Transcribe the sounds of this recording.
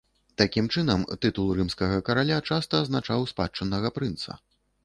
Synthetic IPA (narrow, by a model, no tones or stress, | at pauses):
t̪akʲimt͡ʂɨnɐmt̪ɨt̪ulˠrɨmskɐɣɐkɐɾalʲat͡ʂast̪ɐːznat͡ʂawspa̰t͡ʂɐnːɐɣɐpɾɨnt̪sɐ̰